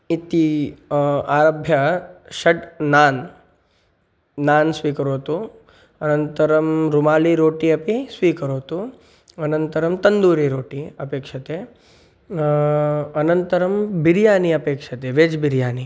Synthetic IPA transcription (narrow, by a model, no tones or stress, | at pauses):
it̪i | aːɾɐbʱjɐʃɐʈnaːn | aːnsʋiːkɐɾoːt̪u | ɐnɐnt̪ɐɾɐmɾumaːliɾoːʈiɐpisʋiːkɐɾoːt̪u | ɐnɐnt̪ɐɾɐmt̪ɐnd̪uːɾiɾoːʈiɐpeːkʂɐt̪e | ɐnɐnt̪ɐɾɐmbiɾjaːniɐpeːkʂɐt̪eʋeːd͡ʒbiɾjaːni